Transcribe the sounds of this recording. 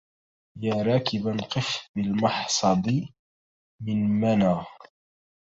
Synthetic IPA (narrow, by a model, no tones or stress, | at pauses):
jaːɾˤɑːkɪbanqɨfbɪlmɑħsˤɑd̪ˤɨ | mɪnmanaː